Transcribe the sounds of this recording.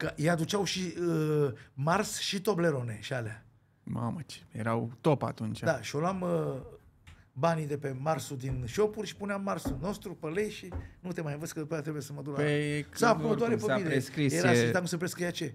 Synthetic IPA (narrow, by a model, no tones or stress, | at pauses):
kəjead̪ut͡ʃawʃiəmarsʃit̪o̞ble̞ɾo̞ne̞̰ʃialea | ma̰mət͡ʃe̥jeɾawt̪opa̰t̪unt͡ʃd̪aʃio̞loamə | banid̪e̞pe̞marsud̪inʃo̞purʲʃi̥puneamːarsuno̞st̪ɾupəle̞jʃinut̪e̞majɨnvəd̪sʲkəd̪upajat̪ɾeujesəməd̪uɾəesakunəd̪oaɾefəpid̪ekɾijeɾasit̪akumsəp̬ɾeskjat͡ʃe